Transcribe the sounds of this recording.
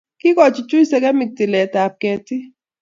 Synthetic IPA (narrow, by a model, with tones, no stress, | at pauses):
ki˦kɔ˨t͡ʃi˨t͡ʃu˦i˦sɛ˦kɛ˦mi˨k̚ti˨lɛ˨ta˨p̚kɛ˨ti˦